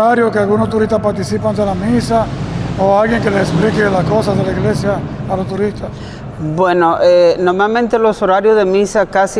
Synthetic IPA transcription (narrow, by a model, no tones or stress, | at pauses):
aɾjoskealɣunost̪uɾist̪aspaɾt̪isipand̪elamisaoalɣjeŋkeleseksplikelaskosazðelaiɣlesjaːlost̪uɾist̪as | bwenoʔeno̞ɾmalmẽnt̪eloso̞ɾaɾjozðe̞misakasi